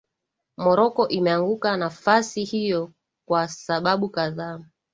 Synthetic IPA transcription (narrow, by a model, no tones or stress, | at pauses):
mɔɾɔkɔʔimɛaŋɡukanafasihijɔ | kwasaɓaɓukaðaː